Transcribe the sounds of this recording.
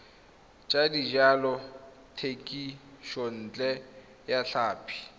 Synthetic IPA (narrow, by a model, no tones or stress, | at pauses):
t͡ʃʼadid͡ʒalɔ | tʰekʼiʃɔn̩ːt͡ɬʼɛ | jaɬaːpʰi̥